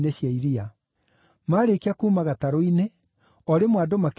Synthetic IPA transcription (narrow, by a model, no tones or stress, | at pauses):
neɕjaiɾia | maːɾekeakuːmaɣataɾoine | ɔɾemwadomak